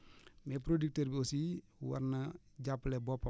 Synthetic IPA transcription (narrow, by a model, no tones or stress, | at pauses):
mɛp̬ɾodik̚təɾbiosi | wɐ̰ɾnɐ | ɟapːlɛbɔpːɐ